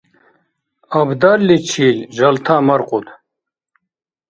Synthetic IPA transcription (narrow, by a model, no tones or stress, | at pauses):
ɐbd̪aɾlit͡ɕʰiːlʑɐlt̪ʰaːmɐɾqut̪